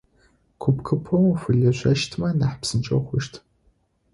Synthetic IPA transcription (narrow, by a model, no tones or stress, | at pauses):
kʷʰʊpkʰɨpʰɐwfɨɮɐɕʷɐʃtʰmɐnaħpsɨnt͡ʃʼɐwχʷʊʃtʰ